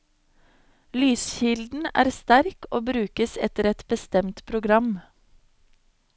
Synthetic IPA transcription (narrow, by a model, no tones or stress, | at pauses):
lyːsçɪld̪n̩æ̰ːɾst̪æɾkoːbɾʉːkəsɛt̪əɾɛt̪bəst̪ɛmt̪pʰɾʊɡɾɑm